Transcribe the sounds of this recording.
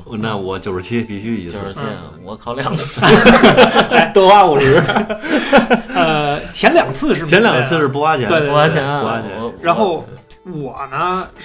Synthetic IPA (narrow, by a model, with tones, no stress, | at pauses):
na˥˩wɔ˨˧˩t͡ɕjo˨˩ʊʂ̩˧˥t͡ɕʰi˥pi˧˥ɕy˧˥˩i˧˥sɹ̩˧˥˧ | wɔ˧˩kʰɑ˧˥ʊljɑ˨˩ŋ̩ʰ˥˧˥ | t̪wɔ˥wa˥u˨˩ʂɻ̩˧˥ | ə˧t͡ɕʰjɛ˧˥nljɑ˨˩ŋɡə˦t͡sʰɹ̩˥˧ʂɻ̩˥˩t͡ɕʰjɛ˧˥nljɑ˨˩ŋɡə˧t͡sʰɹ̩˥˧ʂɻ̩˥˩p̬u˥˧wa˥t͡ɕʰjɛ˧˥e˥˧t̪a˥˧ɛ˧˥u˥˧wa˥t͡ɕʰɛ̰˧˥nɻa˧˥nxo˥˩ʊ | wɔ˨˩nə˥˧